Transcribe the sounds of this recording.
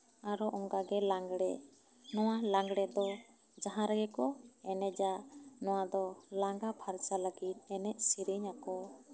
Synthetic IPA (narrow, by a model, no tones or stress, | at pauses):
aɾɔʔɔŋɡaɡɛlaŋɡɽɛʔ | nɔwalaŋɡɽɛd̪ɔ | d͡ʒaɦãɾaɡɛkɔɛnɛd͡ʒaʔnɔ̃w̃ad̪ɔlaŋɡapʰaɾt͡ʃalaɡit̪̚ˀɛnɛʔsiɾiɲakɔ